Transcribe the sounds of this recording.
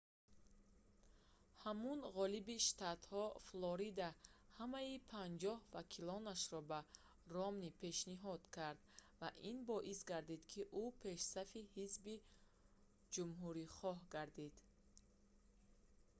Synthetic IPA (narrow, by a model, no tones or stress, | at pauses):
hamunʁɔlibiʃt̪at̪hɔflɔɾid̪ahamaipʰand͡ʒɔhvakʰilɔnaʃɾɔba | rɔmnipʰe̞ʃniɦɔd̪kʰaɾd̪vaʔinbɔʔisɡaɾd̪id̪kʰiʔupʰe̞ʃsafihizbi | d͡ʒumɦuɾiχɔɦɡaɾd̪id̪̥